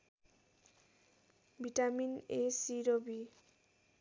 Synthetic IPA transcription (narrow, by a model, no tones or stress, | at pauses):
bʱiʈaminesiɾobi